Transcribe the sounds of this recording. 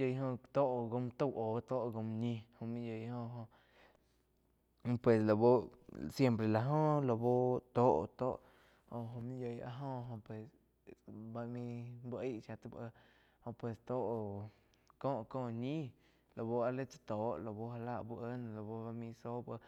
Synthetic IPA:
jə˧jɦõ˧t̪o˦ʔo˨ɡo˧m˧t̪o˦˨wʔo˨t̪o˦ʔɡo˧mɲĩ˧hõ˧mĩ˦jə˧jhõ˧ɦõ˧ | pwe˨slo˨bo˦sje˦mpɾe˨la˧ɦõ˦lo˧bo˦t̪o˦ʔo̰˨t̪o̰˦ʔ | ho˧ɦõ˧mĩ˦jə˧ja̰˧ɦõ˦ɦõ˧pwe˨s | ba˧mĩ˧bʔə˦ʃa˧t̪a˧bə˧ | hõ˧pwe˧st̪o˦ʔo˧ | kõ˦ʔkõ˦˧ɲĩ˦ | lo˨bo˧a˧le˦t͡sa˧t̪o˨˦ʔlo˨bo˧ɦa˧la˦˧ʔbu˧ʔə˦n˧lo˨bo˧ba˧mĩ˧so˦bə˧

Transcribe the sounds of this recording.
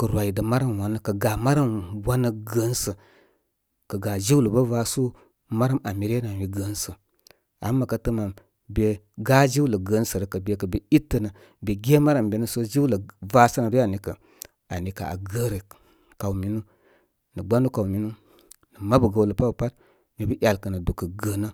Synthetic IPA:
kə˨ɾwa˨i˨də˨ma˦ɾa˦˨m˨wa˨nə˦kə˨ɡa˨ma˦ɾa˦mwa˦nə˦ɡə˨˦nsə˨ | kə˨ɡa˨d͡ʒi˦wlə˨bə˦va˦su˦ | ma˦ɾa˦ma˨mi˨ɾe˦na˨wi˨ɡə˨˦nsə˨ | a̰˨˦mːa˨ka˨tə˦ma˨m | be˨ | ɡa˦d͡ʒi˦u˦lə˨ɡə˨˦n˦sə˨ɾə˨kə˨be˨kə˨be˨i˦tːə˨nə˨ | be˨ɡʲe˦ma˦ɾa˨mbe˨nə˦so˦d͡ʒi˦wlə˨va˦sə˦na˨du˦a˨ni˨kə˨ | a˨ni˨ka˨a̰˨ɡə˦ɾə˨ | ka˨wu˨mi˨nu˦ | nə˨ɡ͡ba˦nu˦ka˨u˨mi˦nu˦ | nə˨ma˦bə˨ɡə˨wlə˨pa˦bə˨pa˦t | mi˨bə˦ʔʲja˨lkə˨nə˨du˨kə˨ɡə˨nə˦

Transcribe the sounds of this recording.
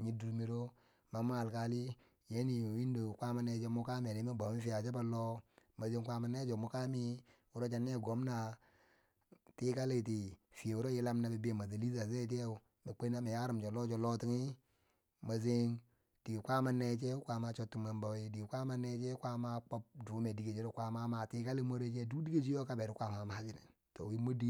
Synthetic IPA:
ɲi˦du˨ɾmi˦ɾo˦ | ma˨m˦a˨lka˨li˦ | je˦ni˨o˨wi˦n˦do˨kʷa˦ma˦ne˦t͡ʃe˦mu˦ka˦mi˨a˨ni˨˦ma˦ba˨˦i˦fi˦a˨t͡ʃa˦ba˦lo˦ma˨ze˦ŋkʷa˦ma˨ne˦t͡ʃo˨mu˦ka˦mi˦ | u˦ɾo˦t͡ʃa˦nː˦e˦˨ɡo˨˦m˦na˨ | ti˦ka˦le˦˨ti˨fi˨e˨u˦ɾo˦ji˦la˦mna˨bi˨bi˦e˨ma˨zi˨li˦za˨ze˦t͡ʃe˦u˨ | me˨k͡pe˦na˦me˨ja˦ɾi˨md͡ʒo˨lo˦d͡ʒo˨lo˦ti˦ŋi˦ | ma˨ze˦ŋ | d̥i˨ɡi˨kʷa˦ma˦ne˦t͡ʃe˦kʷa˨ma˦t͡ʃo˦tːu˨ma˨mba˨wi˦di˨ɡi˨kʷa˦ma˦ne˦t͡ʃe˦kʷa˦ma˦k͡po˦p̚du˨˦me˨di˨ɡe˨d͡ʒi˦ɾo˦kʷa˦ma˦ma˨ti˦ka˦li˦mo˦ɾe˦d͡ʒe˦du˦di˦ɡe˦d͡ʒi˦jo˦ka˦be˨ɾi˦kʷa˦˨ma˨ma˦d͡ʒi˦nḛ˨ | to̰˨wi˦mo˦di˦

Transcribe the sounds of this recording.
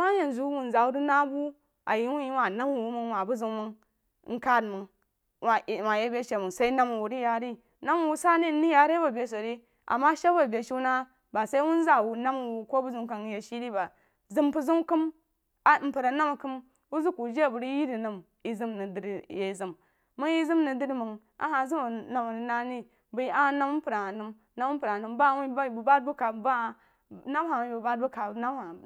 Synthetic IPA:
ma˦ja˨n˨zu˦wu˨n˨za˨wu˦ɾi˦na˦bu˦ | ʔa̰˨ji˦wu˦ji˦wa˨na˦m˦˨wu˦mu˦ŋwa˨bu˦zu˨ŋ˦mu˦n̩˦ | ka˦˨dmu˨n˨ | wa˨je˦bʲe˦ʃe˨mu˨sa˦i˦na˦mu˨wu˨ɾi˦ja˨ɾi˦ | na˦m˨wu˦sa˦ni˦ni˦ja˨ɾi˦ba˨bʲe˨s̬o˨ɾi˦ | ʔa̰˨mːa˦ʃe˦ba˨bʲe˨ʃi˦na˦ | ba˨sa˦i˦wu˦n˦za˦wu˨na˦m˨wu˨ko˦bu˦zu˦m˦ka˨n˦je˨ʃi˦di˦ba˨ | zi˦mpu˦zu˦m˦ki˦m | a˨˦m̩˨pu˨ɾa˨na˦m˨kɨ˦m | wu˦zu˦ku˨d͡ʒe˦˨bu˨ɾi˦ji˦di˨nɨ˨m | i˨zi˦mni˨di˨ɾje˨zi˦mː | u˦ŋji˦zi˦mni˨di˦ɾi˦mə˨ŋ | a̰˨ha˨zi˦ma˨na˨m˨n˨na˦ni˦ | bu˨ji˦a˦na˦m˦pu˨ɾa˨a˨nɨ˦m | na˦mu˦pu˨ɾa˨nu˨mba˦˨wu˦˨bu˨ba˦d̚bu˦ka˨ba˦˨ | na˦m˦a˨wu˨˦bu˨ba˦d̚bu˦ka˨na˦m˦ha˨

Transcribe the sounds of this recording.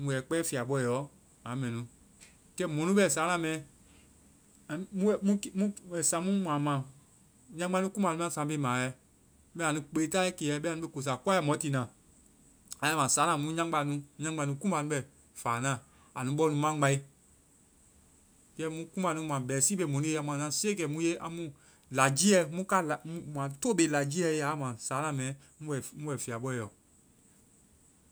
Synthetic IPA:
mũ˧jɛ˨k͡pɛː˦fi˨a˨ɓɔ˧˨ɔ˨˦ | ã˨˦mɛ̃˨nũ˨ | kɛ˦mɔ̃˨nũ˦ɓɛ˨saː˨˦nã˧˨mɛ̃˨˦ | a˨mũ˦ɛ˨mũ˦kmũ˦ɛ˨sã˨˦mũ˦mã˨mã˨ | ɲã˧˦a˧˦nũ˦kũ˦mã˨nũ˦ã˦˨sã˨˦be˧˦˨mãː˨˦jɛ˧ | ɓɛ̃˦˨a˨nũ˧˦k͡pe˨˦ta˦i˦ke˨ɛ˨˦ɓɛ˦˨ũ˦ɓe˧˨ko˨s̬a˨kwa˦ɛ˧˨mɔ̃˨˦ti˨nã˨ | ã˨˦ã˦mã˨saː˨˦nã˨mũ˦ɲã˦ɡ͡ba˧˦nũ˦ɲã˦ɡ͡ba˧˨nũ˧˦kũ˦mã˧˨nũ˦ɓɛ˨ | faː˨nã˦˨ | a˨nũ˦ɓɔ˧˦nũ˨˦mã˦ŋ͡ma˧i˦ | kɛ˦mũ˦kũ˦ba˨˧nũ˧˦mã˨bɛ˨siː˦ɓe˧˨mõ˨nĩ˦e˦a˨mw̃ã˨nã˨˦seː˦kɛ˨mũ˧˦je˦ʔã̰˧mũ˦ | la˨d͡ʒi˦ɛ˦mũ˦ka˦lmũ˦mã˨toː˦ɓe˧˦la˨d͡ʒi˦ɛ˧˦a˨˦mã˨saː˨˦nã˨˦˨mɛ̃˨˦ | mũ˦wɛ˨mũ˦wɛ˨fi˨a˨ɓɔ˦˨jɔ˨

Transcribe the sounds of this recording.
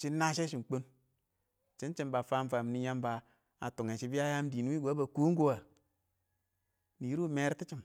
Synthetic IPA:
t͡ʃi˦na˦ʃe˦ʃi˨m˨k͡po˦n | t͡ʃi˦n˦t͡ʃi˦mba˨faː˦m˦fa˨m˨ni˦ja˦mba˨ | a˨tu˨ŋe˨ʃi˦bi˦a˦ja˦m˦di˨n˦i˦ɡʷa˨˦ba˨ku˦ŋ˦ɡu˦wa˨ | ni˨ji˦ɾu˦˨me˦ɾti˦t͡ʃi˨m

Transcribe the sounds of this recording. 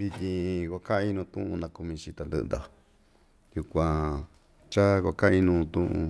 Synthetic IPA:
βi˧t̪ʲĩ˧kʷa˧kã˦ʔĩ˦nũː˧t̪ṵ̃˦ũ˧nã˧ku˧mĩ˧t͡ʃi˧t̪a˨˧nd̪ɨ̰˧ʔnd̪a˨ | ju˧kʷã˧ | t͡ʃa˦kʷa˧kã˦ʔĩ˦nũː˧t̪ũ˦ʔṵ̃˧

